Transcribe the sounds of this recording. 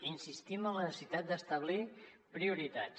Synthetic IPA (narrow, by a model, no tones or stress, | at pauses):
insist̪imənlənəsit̪at̪̚d̪əst̪əβ̞lipɾiuɾit̪a